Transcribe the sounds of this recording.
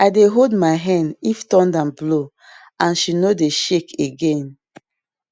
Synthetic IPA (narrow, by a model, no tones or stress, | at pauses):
aɪdeɦoldmaɪɦɛ̃ndiftɔ̃ndãmblo | ãnʃinodeʃekʰeɡẽn